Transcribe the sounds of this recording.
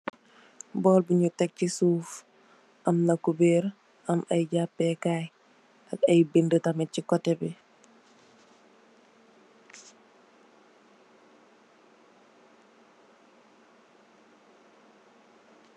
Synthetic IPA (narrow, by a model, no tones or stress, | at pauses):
bɔːlbuɲutɛk̚cisuːf | ʔɐmnɐkubeːɾ | ʔɐmɐjɟapːɛkaːj | ɐkɐjbindətɐmɛcikɔtɛbi